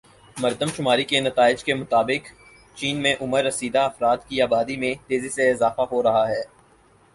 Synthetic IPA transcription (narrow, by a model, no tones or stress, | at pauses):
mɐɾd̪əmʃʊmaːɾikenɐt̪aːɪd͡ʒkemʊt̪aːbɪk | t͡ʃiːnmẽʔʊməɾːɐsiːd̪aɐfɾaːt̪kiaːbaːd̪imẽt̪eːziseɪzaːfaɦoɾɐɦaɦɛː